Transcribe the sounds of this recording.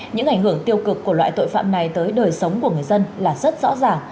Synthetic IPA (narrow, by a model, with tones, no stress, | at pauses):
ɲɨ̰˧˥ŋʔa˧˩jŋ̟hɨ˧˩əŋt̪i˧əwkɨ˨˩kːu˧˩əlwa̰ː˧˨t̪o̰˧˨jfa̰ː˧˨mna˨˩jt̪əː˨˦jɗəː˨˩jsə˨˦wŋ͡mku˧˩əŋɨ˨˩əjzə˧nlaː˨˩zə˦˥t̚zɔ̰˧˥zaː˨˩ŋ